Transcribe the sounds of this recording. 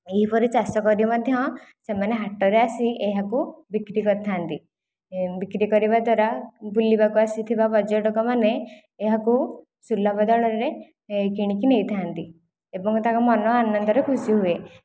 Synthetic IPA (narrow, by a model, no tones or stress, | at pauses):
eɦipɔɾit͡ʃasɔkɔɾibmɔd̪ʱjɔsemaneɦaʈɔɾeasiʔeɦakubikɾikɔɾt̪ʰant̪i | bikɾikɔɾibad̪waɾabʱulibakuasit̪ʰibabɔd͡ʒɔʈɔkɔmaneː | ɦaku | sulːabɔd̪ɔɭɔɾɾe | kiɽ̃ikinejt̪ʰaant̪i | ebɔŋkɔt̪akɔmɔnɔanɔnd̪ɔɾekʰusiɦue